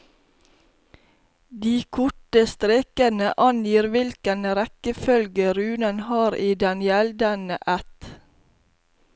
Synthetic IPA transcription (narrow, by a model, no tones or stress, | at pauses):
d̪iːkʰʊʈəst̪ɾeːkənəʔɑnjiːɾʋɪlkənɾɛkəfœlɡəɾʉːnənhɑːɾiːd̪ɛnjɛld̪ənəʔæt̪